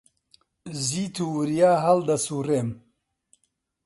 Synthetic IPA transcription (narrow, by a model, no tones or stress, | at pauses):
ziːt̪ʰuwɨɾijaːɦɐld̪ɐsurem